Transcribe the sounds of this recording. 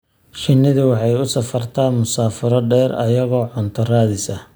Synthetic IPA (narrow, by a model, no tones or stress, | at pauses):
ʃɪnːɪðʊwɑħɑjʊsɐfɐrt̪ʰaːmʊsaːfɐɾɔɖɛːɾɐ̰jɐɣɔːʕʊnt̪ʰɐraːðɪsɐ